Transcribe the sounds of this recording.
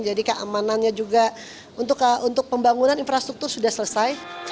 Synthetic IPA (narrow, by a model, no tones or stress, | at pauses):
d͡ʒadikəʔa̰mananɲad͡ʒuɡa | unt̪ʊkunt̪ʊk̚pəmbaŋunaninfɾast̪ɾuk̚t̪ʊrsudahsələsaj